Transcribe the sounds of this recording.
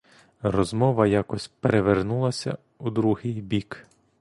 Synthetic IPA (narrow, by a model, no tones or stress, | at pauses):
rɔzmɔʋɐjakɔsʲpeɾeʋernulˠɐsʲɐ̰ | ud̪ɾuɦɪjbʲik